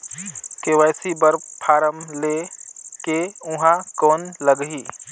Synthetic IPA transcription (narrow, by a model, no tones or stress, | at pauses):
kewɛːsibəɾpʰaːɾəmlekeʊ̃ɦãkɔːnləɡɦiː